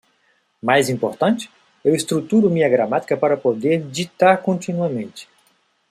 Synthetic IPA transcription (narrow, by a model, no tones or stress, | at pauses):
majzĩpoɾt̪ɐ̃nt͡ʃɪ̥ | ewɪst̪ɾut̪uɾʊmĩɲɐɡɾamat̪i̥kɐpaɾɐpod̪eɾd͡ʒit̪aɾkõnt͡ʃ̪inuɐmẽnt͡ʃɪ̥